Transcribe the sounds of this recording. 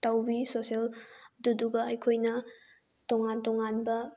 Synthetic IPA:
tawbisoselduduɡɐːjkʰojnɐ | toŋantɔŋanbɐ

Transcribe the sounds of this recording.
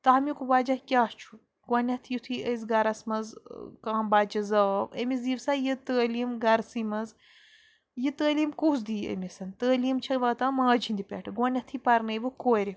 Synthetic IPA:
t̪ɐɦmikubaːd͡ʒahkʲaːst͡ʃʰu̥ | ɡwɐnʲɐt̪ʰjit̪ʰiʔəzɡɐɾɐsmɐzkãːmbaːd͡ʒɐzɐə̰miziʋsaːjɨt̪əːliːmɡɐɾsimɐz | jɨt̪əːliːmkuːz̬d̪iːə̰misɐnt̪əːliːmt͡ʃʰɐʋaːt̪amaːd͡ʒʰind̪ipʲḛːʈʰɨɡwɐnʲɐt̪ʰipɐɾnɐjbɨkoːɾʲi

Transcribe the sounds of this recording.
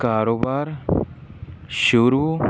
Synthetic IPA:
kaːɾobaːɾ | ʃuɾu

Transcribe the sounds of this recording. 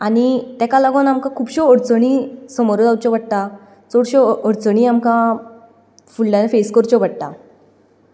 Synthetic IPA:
aɽit̪ɛkalaɡonamkãkʰuːbɕɔɔɽt͡səɽ̃isɔmoɾod̪awt͡ɕɔbəɽʈ̪a | t͡sɔɽɕɔɔɽt͡səɳ̃iːamkã | fuɭlanefeskɔɾt͡ɕɔbəɽt̪a̰

